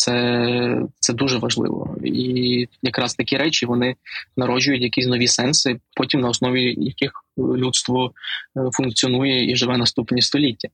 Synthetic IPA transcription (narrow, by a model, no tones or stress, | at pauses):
t̪sɛ | t̪sɛd̪uʒɛʋɐʒlˠɪ̰ʋɔ̰ijɐkɾɑst̪ɐkʲiɾɛt͡ʃʲiʋɔnɪnɐɾɔd͡ʒʊjʊtʲjɐkʲisʲnɔʋʲisɛnsɪpɔtʲimnɐɔsnɔʋʲijɐkɪxlʲut̪st̪ʋɔfʊnk̚t͡sʲiɔnujɛiʒɪʋɛnɐst̪upnʲist̪ɔlʲitʲːɐ